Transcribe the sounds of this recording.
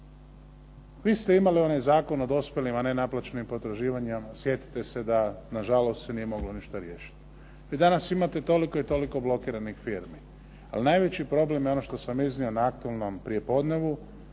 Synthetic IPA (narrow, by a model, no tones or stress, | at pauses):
ʋiːst̪e̞imalio̞najzaːko̞nod̪o̞spjelimane̞naplˠat͡ʃenimpot̪ɾaʒiːʋaɲemasje̞t̪i̥t̪e̞se̞d̪anaʒalo̞st̪senije̞mo̞ɡlo̞niʃt̪aɾje̞ːʃi̥t̪ | ʋid̪anasimat̪e̞t̪o̞liko̞it̪o̞liko̞blo̞kiːɾanixfiɾmi | a̰linajʋe̞t͡ɕipɾo̞ble̞mjeo̞no̞ʃt̪o̞samiznionaakt̪uelno̞mpɾije̞po̞d̪ne̞ʋu